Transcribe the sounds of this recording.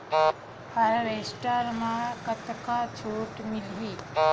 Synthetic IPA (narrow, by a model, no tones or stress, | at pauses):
həɾɾesʈəɾmãkət̪kat͡ʃʰoːʈmilɦiː